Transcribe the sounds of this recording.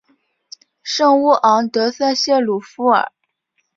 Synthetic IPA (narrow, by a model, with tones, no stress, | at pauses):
ʂɤ˥˧ŋu˥˩ʔɑ˧˥ŋt̪ɤ˧˥sa˥˧ɕjɛ˥˩lu˨˩fu˥ə̰˞˨˩˦